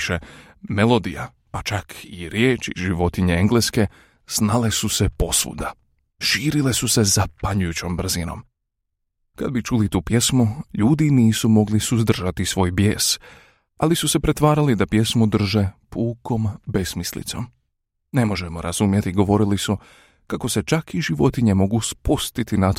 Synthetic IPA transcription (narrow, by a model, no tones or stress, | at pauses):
ʃe | me̞lˠo̞d̪ḭja̰ | pat͡ʃakʰiɾjeːt͡ʃḭʒiʋo̞t̪iɲeeŋɡleske̞ | snale̞suse̞po̞sʋṵd̪a | ʃiːɾile̞suse̞zapaɲujut͡ɕo̞mbr̩zino̞̰m | kad̪̚bit͡ʃulit̪uːpje̞smuʎuːd̪iniːsumo̞ɡlisuzd̪r̩ʒat̪isʋo̞ːjbje̞ːs | alisuse̞pɾe̞t̪ʋaːɾalid̪apje̞smud̪r̩ʒe̞pʰuːkʰo̞mbe̞smislḭt̪so̞̰m | nemo̞ʒe̞moɾʔaz̥umje̞t̪iɡo̞ʋo̞ɾilisu | kako̞se̞t͡ʃakiʒiʋo̞t̪iɲe̞mo̞ɡuspust̪it̪inat̪